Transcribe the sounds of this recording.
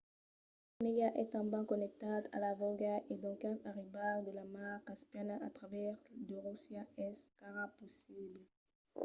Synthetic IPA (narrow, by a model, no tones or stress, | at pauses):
neɡaʔɛt̪ɑ̃mbɑ̃kɔnɛk̚t̪ad̪a̰lavɔɡaʔed̪ɔ̃kɛ̃taʁibald̪əlamaʁkaspjanaʔat̪ʁavɛʁd̪əʁusjaɛskaʁapɔsiblə